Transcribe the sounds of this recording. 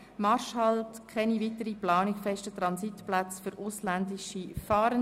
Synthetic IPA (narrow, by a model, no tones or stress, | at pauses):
mɑɾʃhɑltkʰɛnivitəɾiplɑːnikfɛʃtət̪ɾɑnsitplat͡sføɾʔʊslændiʃifɑːɾən